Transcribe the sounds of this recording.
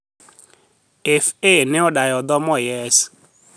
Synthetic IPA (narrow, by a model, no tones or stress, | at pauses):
efenɪɔdajɔdɔmɔjɛsi̥